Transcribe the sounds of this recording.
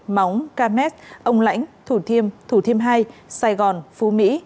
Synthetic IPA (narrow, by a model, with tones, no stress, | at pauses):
ma˨˦wŋ͡mkaː˧mɛ˦˥t̚ʔə˧wŋ͡mla̰˧˥jŋ̟t̪ʰu˧˩t̪ʰi˧əmt̪ʰu˧˩t̪ʰi˧əmɦaː˧jsaː˧jɣɔ˨˩nfu˨˦mḭ˧˥